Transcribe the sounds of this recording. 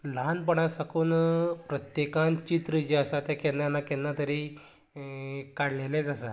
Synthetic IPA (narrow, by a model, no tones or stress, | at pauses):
lanp̬əɽ̃asakuːnpɾət̪jekãnt͡ɕit̪ɾəd͡ʑiasat̪jakɛnːanakɛnːat̪əɾi | kaɽlelẽd͡zasa